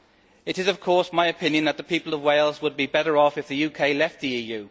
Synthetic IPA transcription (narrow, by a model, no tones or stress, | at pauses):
ɨɾɨzʌv̥kʰɔɹsmaɪɨpʰɪ̃njɨ̃nðət̪̚ðəpʰiˑpəl̩ˠəvweɪlˠzwəd̚bibɛɾə˞ɔfɨfðɨjʉkʰeɪlɛft̪̚ðiiːjʉː